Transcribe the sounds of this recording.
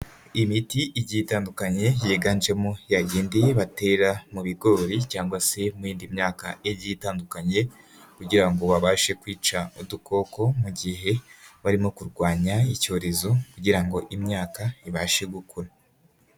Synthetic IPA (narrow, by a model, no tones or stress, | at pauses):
imitiʔiɟiːtaːndukaɲe̞jeɡand͡ʒe̞mojaɡiːndiβate̞ɾamuβiɡo̞ːɾicaːŋɡwase̞muiːndimɲaːkaiβɟiːtaːndukaɲe̞ | kuɟiɾaŋɡo̞βaβaːʃe̞kwiːt͡ʃauduko̞ko̞muɟiɦe̞βaɾimo̞kuɾɡwaːɲaico̞ːɾe̞zokuɟiɾaŋɡo̞ʔimɲaːkaiβaːʃeɡukʰuɾa